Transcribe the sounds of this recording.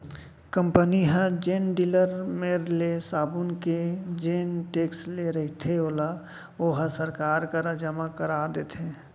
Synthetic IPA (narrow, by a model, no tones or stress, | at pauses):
kə̃mpəniɦə̃d͡ʒeːnɖiːləɾmeɾlesaːbʊnked͡ʒeːnʈeːksleɾɐɦit̪ʰeoːla | oːɦəsəɾkaːɾkəɾəd͡ʒəmakəɾaːd̪eːt̪ʰeː